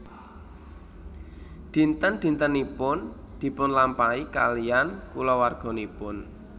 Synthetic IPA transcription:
d̪̥i̤nt̪ənd̪̥i̤nt̪ənipʊn | d̪̥i̤pʊnlampaika̰liankulɔwarɡ̥ɔ̤nipʊn

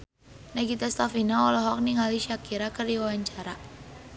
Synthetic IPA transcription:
naɡit̪ast̪afinaɔlɔɦɔk̚niŋaliʃakiɾakərdiwawaɲt͡ʃaɾa

